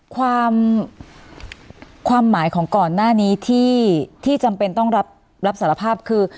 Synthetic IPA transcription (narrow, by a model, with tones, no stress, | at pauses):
kʰwaː˧m | kʰwaː˧mːaː˩˦jkʰɔː˩˦ŋkɔː˨˩nːaː˥˩niː˦˥t̪ʰiː˥˩t̪ʰiː˥˩t͡ɕa˧mpe˧nt̪ɔ˥˩ŋɾa˦˥p̚ | ɾa˦˥p̚saː˩˦ɾa˧pʰaː˥˩p̚kʰɯː˧